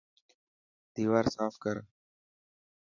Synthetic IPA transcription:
d̪̥iːʋaːɾsaːfkəɾ

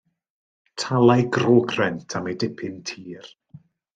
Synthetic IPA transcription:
tʰalˠajɡrɔːɡrɛntʰamedɪpʰɪntʰiːr

